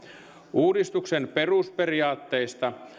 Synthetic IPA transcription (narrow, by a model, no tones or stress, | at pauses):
uːdist̪uksenperusperiɑːt̪ːeist̪ɑ